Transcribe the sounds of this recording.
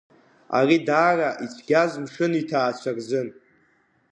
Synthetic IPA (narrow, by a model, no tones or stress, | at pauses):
a̰ridaːraʔit͡ɕʷʰɡʲazʷmʂɨnitʰaːt͡ɕʷʰarzɨn